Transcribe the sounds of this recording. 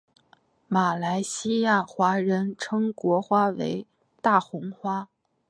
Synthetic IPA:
ma˨˩la˧˥ɪɕi˥ja˥˩xwa˧˥ɻə˧˥nʈ͡ʂʰɤ˥ŋkwɔ˧˥xwa˥wḛ˧˥ɪ | t̪a˥˩xʊ˧˥ŋxwa˥

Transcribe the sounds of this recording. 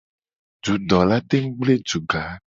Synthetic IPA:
d͡ʒu˨ɖɔ˨la˦t̪e˦ŋ̩˦ɡ͡ble˦d͡ʒu˨ɡa˨˦

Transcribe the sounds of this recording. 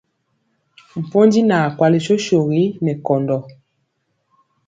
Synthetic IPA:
m̩˨po˦ndi˦na˨kwa˨li˨ʃo˦ʃo˨ɣi˦nɛ˨kɔ˨ndɔ˨

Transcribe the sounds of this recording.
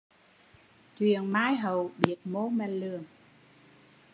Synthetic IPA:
t͡ɕwḭ˧˨ənmaː˨˥jɦə˨˩wɓi˨˩ət̚mo˨˦mɛ˧˩nlɨ˨˩ən

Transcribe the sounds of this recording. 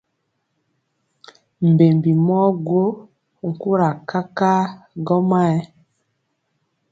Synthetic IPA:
m̩˨be˨mbi˨mɔ˦ɡwo˦˨ | ŋ̩˨ku˦ɾa˨ka˦ka˦ɡɔ˦ma˦ɛ˦

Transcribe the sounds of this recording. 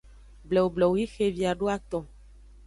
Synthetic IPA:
blɛ˨wo˨blɔ˨wi˦xe˨vi˨a˨ɖo˦a˨t̪ɔ̃˨

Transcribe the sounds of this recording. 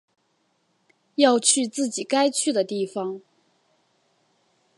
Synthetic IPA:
jɑ˥˧ʊt͡ɕʰy˥˧t͡sɹ̩˥˩t͡ɕi˨˩ka˥ɪt͡ɕʰy˥˩d̪ə˩t̪i˥˩fɑ˩ŋ

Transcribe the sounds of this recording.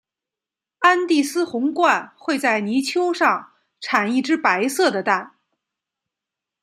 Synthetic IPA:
a˥nt̪i˥˩sɹ̩˥xʊ˧˥ŋkwa˥˧nxwe˥˧ɪt͡sa˥˩ɪni˧˥t͡ɕʰjo˥ʊʂɑ˥˧ŋ | ʈ͡ʂʰa˨˩ni˥˩ʈ͡ʂɻ̩˥pa˧˥ɪsɤ˥˩d̪ə˩t̪a˥˩n

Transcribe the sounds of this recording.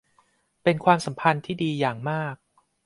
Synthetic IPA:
pe˧nkʰwaː˧msa˩˦mpʰa˧nt̪ʰiː˥˩diː˧jaː˨˩ŋmaː˥˩k̚

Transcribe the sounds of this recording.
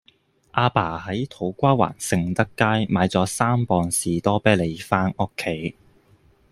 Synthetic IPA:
ʔaː˧paː˨˩hɐ˨˥jt̪ʰo˨˥wkʷaː˥wa̰ː˨˩nsɪ˨˧ŋt̪ɐ˥kːaː˥jmaː˨˧jt͡sɔː˨˥saː˥mpɔː˧nsiː˨t̪ɔː˥pɛː˥le˨˧jfaː˥nʊ˥kʰːe˨˥j

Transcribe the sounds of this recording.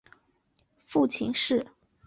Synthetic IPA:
fu˥˩t͡ɕʰi˧˥ŋʂɻ̩˥˩

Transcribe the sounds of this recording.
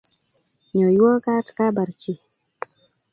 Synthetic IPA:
ɲo˨jwo˦ka˦tka˦ba˨ɾt͡ʃi˨

